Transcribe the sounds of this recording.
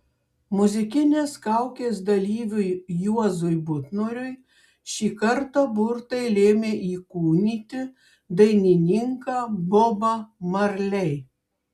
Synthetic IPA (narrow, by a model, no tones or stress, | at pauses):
mʊzʲɪkʲɪnʲeːskɐʊkʲeːs̬d̪ɐlʲiːʋʲʊjjuɔzʊjbʊt̪noɾʲʊɪ | ʃʲiːkɐɾt̪oːbʊɾt̪ɐɪlʲeːmʲeːʔiːkuːnʲiːt̪ʲɪ | d̪ɐɪnʲɪnʲɪŋkɑboːbɐmɐɾʲlʲɛɪ